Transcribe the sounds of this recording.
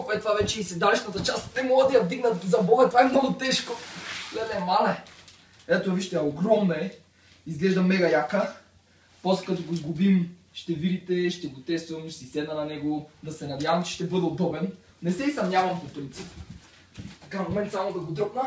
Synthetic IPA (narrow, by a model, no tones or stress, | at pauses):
fɛt̪ovavɛt͡ʃɛisɛd̪alɛʃnɐt̪ɐt͡ʃast̪nɛmolˠad̪ɐjɐvd̪iɡnɐzɐbɔɡɐt̪ovaɛmnoɡʊt̪ɛʃkoɡlɛnɛmalɛ | ɛt̪oviʃt̪ɛjɐoɡɾɔmnɐɛ | izɡlɛʒd̪ɐmɛɡɐjakə | poslɛkɐt̪oɡozɡubim | ʃt̪ɛvid̪it̪ɛʃt̪ɛɡot̪ɛst̪vəmʃsɛisɛd̪nɐnɐnɛɡod̪ɐsɛnɐd̪javɐmt͡ʃɛ̥ʃt̪ɛbɤd̪ɛod̪ɔbɛn | nɛsɛisɐmnʲjavɐmpopɾint̪sip | t̪ɐkamomɛnt̪samod̪ɐɡod̪ɾopnə